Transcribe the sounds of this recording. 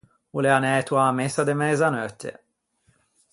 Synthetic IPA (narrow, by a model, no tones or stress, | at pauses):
uleanɛt̪uamesad̪emɛzanœt̪ʰːḛ